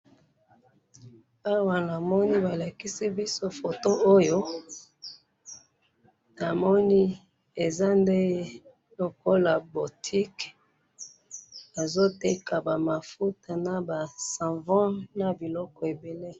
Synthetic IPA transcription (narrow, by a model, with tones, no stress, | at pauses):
a˦wa˨na˨mɔ˦ni˦ba˨la˨ki˦si˦bi˦so˦fo˨to˦ʔo˦jo˦ | na˨mɔ˦ni˦ | e˨za˦nde˦ | lo˨ko˦la˨bo˨tʰi˦k | a˨zo˦te˦ka˨ba˨ma˨fu˦ta˨na˨ba˨sã˨vɔ̃˦na˨bi˨lɔ˦kɔ˨e˨be˨le˦